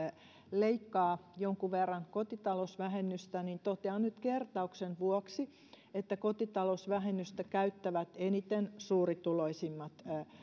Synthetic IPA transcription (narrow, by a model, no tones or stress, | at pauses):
leikːɑːjoŋkuʋerːɑŋkot̪it̪ɑlosʋæhenːyst̪ænint̪ot̪eɑnnyt̪kert̪ɑuksenʋuɔksi | et̪ːækot̪it̪ɑlosʋæhenːyst̪ækæyt̪ːæʋæt̪enit̪ensuːrit̪uloisimːɑt̪